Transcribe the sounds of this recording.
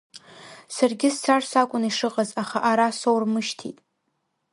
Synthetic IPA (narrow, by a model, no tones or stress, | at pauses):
sarɡʲɪst͡sarsakʷʼʊniʂɨqʼazaχaʔaɾasowrmɨʃtʰḭtʼ